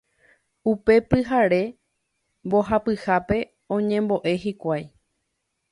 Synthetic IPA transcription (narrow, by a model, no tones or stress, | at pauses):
upe̞pɨɦaɾe̞ | bo̞ɦapɨhape̞ | õ̞ɲẽ̞mbo̞ʔe̞ɦikʷaj